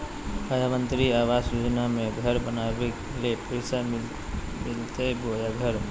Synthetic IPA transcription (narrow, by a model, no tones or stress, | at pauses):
ad̪ʱamə̃nt̪ɾiaːwaːsjoːd͡ʒnamẽɡʱəɾbənaːwek | lepesa | mɪlt̪eboːjaɡʱəɾ